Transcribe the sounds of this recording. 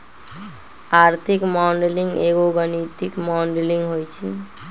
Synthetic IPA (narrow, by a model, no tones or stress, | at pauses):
aɾt̪ʰikmaɳɖeliŋɡeɡoɡənit̪ikmaɳɖeliŋɡɦojt͡ʃʰḭ